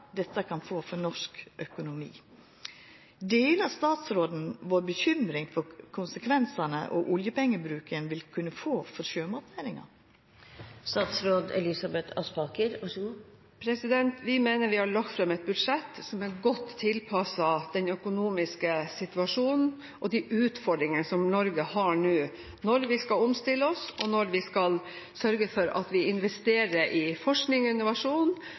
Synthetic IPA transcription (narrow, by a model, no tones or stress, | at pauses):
d̪ɛt̪ːəkʰɑnfoːfɔnɔʂkʔœkʊnʊmḭː | d̪eːlɑst̪ɑːt̪sɾoːd̪n̩ʋoːɾbəçʏmɾɪŋfɔɾkʰʊnsəkʰʋɛnsənə̰ʔɔ̰ʔʊljəpɛŋːəbɾʉːkənʋɪlkʰʉnːəfoːfɔɾʃøːmɑt̪ʰʋ̪æɾɪŋɑ̰ | st̪ɑːt̪sɾoːd̪ɛ̰lɪsɑbɛt̪ʰɑ̰spɑkəɾɑʂɡ | pʰɾɛsɪd̪ɛnt̪ʋɪmeːnəɾʋɪhɑɭɑk̚t̪fɾɑmɛt̪̚bʉd̪ʂɛt̪ːsɔmæɡɔt̪ʰːɪlpʰɑsɑd̪̥ɛnœkʊnuːmɪskəsɪt̪ʉɑʂuːnn̩ | ʔɔd̪ɪʔʉːt̪fɔɖɾɪŋənəsɔmnɔɾɡəhɑɳʉː | nɔɾʋɪskɑɔmst̪ɪlːəɔsɔnɔɾʋɪskɑl | sœɾɡəfɔɾɑ̰t̪ʋɪɪnʋɛst̪eːɾəɾʔɪfɔʂknɪŋɪnʊʋɑʂuːn